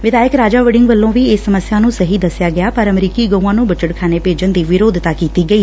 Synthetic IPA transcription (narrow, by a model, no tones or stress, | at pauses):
ʋɪd̪aːjəkɾaːd͡ʒaːʋəɖɪ̃ŋɡʋəlːõːʋiːeːsəməsjaːnũːsəɦiːd̪əsɪjaːɡɪjaːpəɾəmɾiːkiːɡə̃uãːnũːbət͡ʃəʈkʰaːneːpeːd͡ʒənd̪iːʋɪɾoːd̪ʱt̪aːkiːt̪iːɡəiː